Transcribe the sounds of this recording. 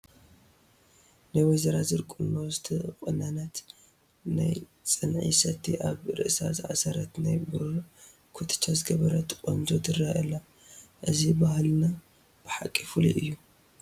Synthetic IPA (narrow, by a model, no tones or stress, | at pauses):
najwɔzɐɾazɨɾkʼunːosɨt̪ʰɨɨkʼɨnanat̪ | na̰jt͡sʼɨnʕḭsɐt̪ʰːiʔaβɾɨ̰ʔsa̰zɨʕa̰sɐɾɐt̪najbɾ | kʰut̪ʰɨ̥t͡ʃʰːazɡɐβɐɾɐt̪kʼond͡ʒot̪ɨraʔɐlːa | ʔɨzibahlna | b̥ɨħakʼːifulḭʔɨjːu